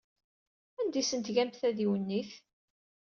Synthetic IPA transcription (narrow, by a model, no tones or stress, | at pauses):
ænd̪isənt̪ʝæmθæðiwənːiθ